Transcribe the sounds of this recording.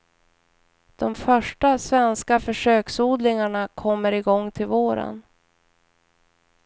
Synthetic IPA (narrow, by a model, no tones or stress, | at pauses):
d̪̥ɔmfœʂʈasvɛnskafœʂøːksuːd̪lɪŋaɳakʰɔmːəɾɪɡɔŋːt̪ʰɪlvoːɾə̰n